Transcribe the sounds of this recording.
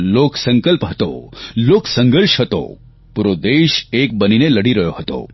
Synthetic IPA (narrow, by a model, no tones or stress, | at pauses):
loːksə̃ŋkəlpɦət̪o̰loːksə̃ŋɡəɾʃɦət̪o̰ | puɾod̪eːʃeːk̚bənineləɽiɾɐjoɦət̪o̰